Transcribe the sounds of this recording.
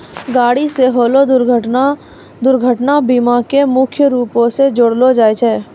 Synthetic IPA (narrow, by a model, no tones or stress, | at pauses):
ɡaːɽiseɦoːlod̪ʊɾɡʱəʈa | d̪ʊɾɡʱəʈnabimakemʊkʰjəɾuːpõsed͡ʒʊɽlod͡ʒaːet͡ʃʰɛː